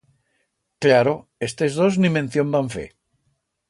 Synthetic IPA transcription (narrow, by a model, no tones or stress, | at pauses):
klaɾoe̞st̪e̞zðo̞znimẽn̟θjo̞mbaɱfe̞̰